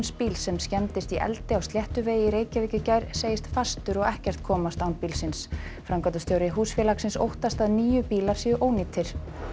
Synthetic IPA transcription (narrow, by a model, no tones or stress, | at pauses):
nspiːlsɛmscɛnt̪ɪst̪iʔɛ̰lt̪ɪawst̪ljɛht̪ʏveːjɪɾeːjcavɪːcʏcajɾseːjɪst̪fast̪ʏɾɔɣɛhcɛr̥t̪̚kʰɔːmast̪awnpiːlsɪns | fɾamkat̪ʏst̪ʰjowɾɪɦuːsfjɛlaksɪnso̰wht̪ast̪aðniːjʏpiːlaɾ̥siʏʔoːwniːt̪ʰɪɾ̥